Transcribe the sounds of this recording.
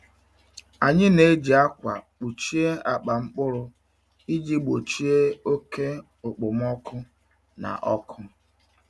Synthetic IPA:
a˨ɲɪ˦ne˨˦e˦d͡ʒi˨a˦kʷa˨k͡pu˨t͡ʃi˦e˦a˨k͡pa˨ŋ͡m̩˦k͡pʊ˦ɾʊ˦ | i˦d͡ʒi˦bɡ͡bo˨t͡ʃi˦e˦o˦ke˦ | ʊ˨k͡pʊ˨m˦ɔ˦kʊ˦ | na̰˨ʔɔ˦kʰʊ˦

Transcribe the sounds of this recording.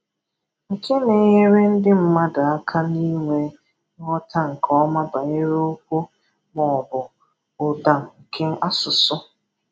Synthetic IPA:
ŋ̩˨kʰe˦ne˨ɦe˦ɾe˦n̩˦dɪ˦m̩˦ma˦da˨a˦kʰa˦ni˦ŋʷe˦ | ŋɔ˦ta˦ŋ̩˨kʰɔ˦ma˦ba˨e˦ɾe˦o˦k̚ʷo˦ | mɔ˨bʊ˨ | ʊ˨da˨ŋ̩˨ŋ̩˨kʰe˦ŋ̩˦a˦sʊ˨sʊ˦

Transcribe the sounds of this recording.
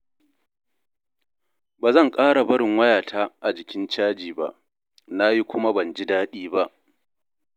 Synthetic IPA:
baː˨zɐ˦˨ŋkʼaː˦ɽa˨bɐ˦ɽɪ˨ŋwɐ˦jaː˨tʰaː˦ʔa˨d͡ʒɪ˨kʲɪ˦nt͡ʃaː˦d͡ʒiː˨ba̰˨ʔ | na˦ji˦kʷʊ˦ma˦bɐ˨nd͡ʒi˦daː˦ɗiː˦ba˦ʔ

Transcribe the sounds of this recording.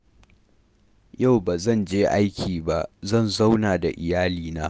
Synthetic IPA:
ja˦˨wbaː˨zɐ˦˨nd͡ʒeː˦ʔa˦jkʲʰiː˨ba˦ʔzɐ˦˨nza˦wnaː˨da˨ʔɪ˨jaː˦liː˨naː˦

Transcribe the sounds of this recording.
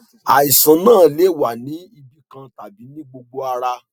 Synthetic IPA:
a˨i˨sã˨˦nãː˦˨le˨˦˨wa˨nĩ˨˦i˧bi˦kã˧ta˨bi˨˦nĩ˦ɡ͡bo˧ɡ͡bo˧a˧ɾa˧

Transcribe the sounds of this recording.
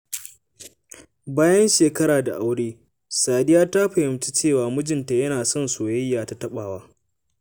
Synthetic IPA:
baː˦jɐ˦nʃeː˨kɐ˦ɾaː˨da̰˨ʔa˨˦wɽeː˦ | saː˨dɪ˦jaː˦ta˦ɸɐ˨hɪ˨mt͡ʃi̥˦t͡ʃeː˦˨waː˨mʊ˦d͡ʒɪ˨nta˨jɐ˦naː˨sɔ˦˨nsoː˨jɐ˦jːaː˨ta˨tɐ˦ɓaː˨waː˦

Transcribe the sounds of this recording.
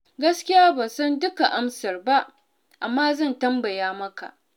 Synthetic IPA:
ɡɐ˦skʲɪ˦jaː˦bɐ˨nsɐ˦ndʊ˦ka˨ʔa˦msɐ˨rba˦ʔ | ʔa˨mːaː˦zɐ˦˨ntɐ˦mbɐ˨jaː˦mɐ˦ka̰˨ʔ

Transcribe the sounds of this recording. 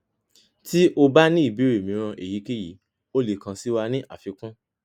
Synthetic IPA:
ti˦ʔo˧ba˦nĩ˦i˦˨bi˨˦ɾe˨mĩ˨˦ɾ̃ã˧ʔe˨ji˨˦ki˦ji˨˦ | o˦le˨kã˧si˦wa˧nĩ˦ʔa˨fi˧kũ˦

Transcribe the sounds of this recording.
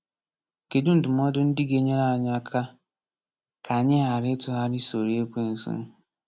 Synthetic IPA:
ke˨du˦n̩˨dʊ˨m˦ɔ˦dʊ˦n̩˦dɪ˦ɡe˦ɲe˦ɾa˦a˨ɲ˦a˦kʰa˦ | kʰa˨ɲɪ˦ɦa˨ɾɪ˦tʊ˨ɦa˦ɾɪ˦so˨ɾi˦e˦kʷe˦n̩˨sṵ˦n˦

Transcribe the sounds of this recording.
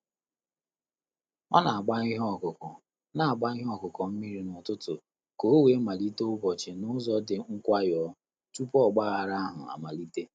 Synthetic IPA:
ma˦na˨a˨ɡ͡ba˦i˦ɦɔ˦˨kʊ˨kɔ˨ | na˨a˨ɡ͡ba˦i˦ɦɔ˦˨kʊ˨kɔ˨m̩˦mi˦ɾi˦nʊ˨tʊ˦tʊ˨ | ko˨o˦we˨˦ma˨li˦te˦ʊ˦bɔ˨t͡ʃe˨nʊ˦zɔ˦dɪ˨ŋ̩˦kʷa˦jɔ˦ | tu˦pɔ˦˨ɡ͡ba˦a˨ɾa˦a˦ɦʊ˨a̰˨ma˨li˦te˦

